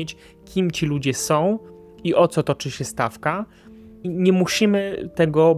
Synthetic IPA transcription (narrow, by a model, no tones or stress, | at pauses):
et͡ɕ | kʲimt͡ɕilud͡ʑɛsɔ̃w̃ | iʔɔt̪sɔt̪ɔt͡ʂɘɕɛst̪afka | iɲɛmuɕimɘt̪ɛɡɔ